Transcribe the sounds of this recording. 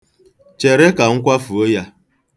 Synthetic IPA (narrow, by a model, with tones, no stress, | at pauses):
t͡ʃe˨ɾe˦ka˨ŋ̩˦kʷa˦fu˨o˦ja˦